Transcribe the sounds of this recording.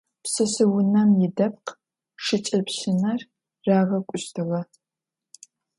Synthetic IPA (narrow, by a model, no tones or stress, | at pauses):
psɐsɨwʊnɐmjɪdɐp̚q | ʂɨt͡ʃʼɐpɕɪnɐr | raːʁɐkʷʼʊɕtʰɨʁɐ